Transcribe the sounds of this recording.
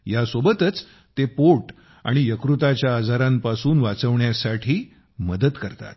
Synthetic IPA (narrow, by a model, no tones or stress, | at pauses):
jasobət̪ət͡s | t̪epoʈ | a̰ɽ̃ijəkɾut̪at͡ɕjaːd͡zaɾampasuːnʋat͡səʋɳjasaʈʰiː | məd̪əd̪kəɾt̪a̰t̪̚